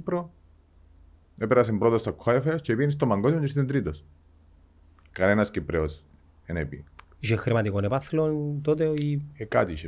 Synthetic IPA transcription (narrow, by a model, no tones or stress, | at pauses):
pɾo | epeɾas̬empɾot̪ost̪akːu̥xaefeost͡ʃeβienis̬t̪omaŋɡosoɲd͡ʒist̪ent̪ɾit̪os | kaɾenaskipɾeos | enepḭ | ʒexeɾmat̪ikonebaθelont̪ot̪̬eiekat̪iʃ